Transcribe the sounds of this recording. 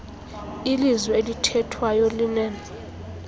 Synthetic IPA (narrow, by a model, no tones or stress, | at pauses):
ilizwɛelitʰɛtʰwajolinɛːnɛ